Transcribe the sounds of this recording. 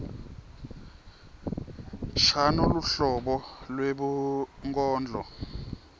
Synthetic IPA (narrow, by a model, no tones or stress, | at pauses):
ʃanuluɬɔɓɔlweɓuŋkʼɔːnd͡ɮʱɔ